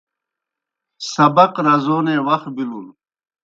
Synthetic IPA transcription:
sɐbɐqɾɐzoːnẽːwɐx̚bilul

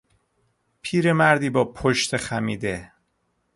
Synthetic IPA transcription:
pʰiːɾe̞mæɾd̪iːbɒːpʰoʃt̪ʰexæmiːd̪e

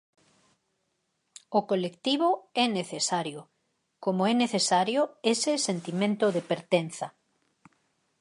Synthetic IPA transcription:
okolekt̪iβ̞oɛneθesaɾjo | komoɛneθesaɾjoesɪsent̪imẽnt̪ʊðepeɾt̪en̟θɐ

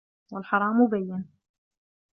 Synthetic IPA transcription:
wɪlħɑɾˤɑːmʊbajːɪn

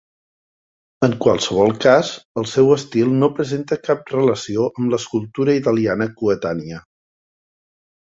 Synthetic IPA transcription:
əŋkwalˠsəβ̞ɔlˠkazəlˠsɛwəst̪ilˠnopɾəzent̪əkap̚rələsioʔəmləskulˠt̪uɾəit̪əlianəkuət̪aniə

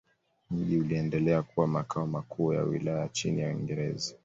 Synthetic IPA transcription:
m̩ʄiuliɛndɛlɛakuwamakʰaɔmakʰuːja̰wḭlajat͡ʃinijawḭŋɡɛɾɛ̰za

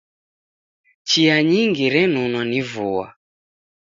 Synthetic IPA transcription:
t͡ʃiaɲiŋɡiɾɛnunwanivuwa̰

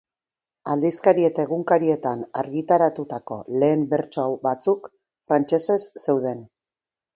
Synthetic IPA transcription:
ald̪iskaɾie̞t̪ae̞ɣ̞uŋkaɾie̞t̪ana̰ɾɣit̪aɾat̪ut̪ako̞̰le̞ːmbe̞ɾt͡soawbat͡suk | fɾant͡ʃe̞se̞sːe̞wð̞e̞n

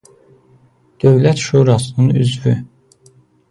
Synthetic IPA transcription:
d̪̥øvlæt̪ʃuːɾɑsɯnɯnyzvy

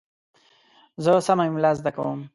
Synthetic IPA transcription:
zəsamaimlazd̪akawəm

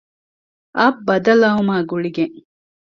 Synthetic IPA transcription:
ʔɐbːɐd̪ɐlɐɦumaːɡuɭiɡeŋ

